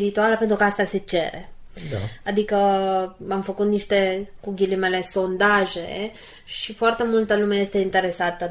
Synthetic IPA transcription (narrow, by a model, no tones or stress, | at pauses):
ɾit̪ualəpe̞nt̪ɾukəast̪ase̞t͡ʃe̞̰ɾḛa̰ad̪ikə | amfəkut̪niʃt̪e̞kuɡʲilimele̞so̞nd̪aʒe̞̰ | ʃifoart̪e̞mult̪əlumeje̞st̪e̞int̪e̞ɾesat̪ə